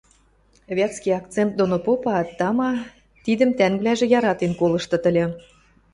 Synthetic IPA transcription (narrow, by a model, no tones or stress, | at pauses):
βʲæt͡skijɑk̚t̪t͡sent̪̚d̪onopopɑt̪ːɑmɑ | t̪id̪ə̆mt̪æŋɡlæʒĕjɑɾɑt̪enkolɤ̆ʃt̪ɤ̆t̪ə̆lʲĕ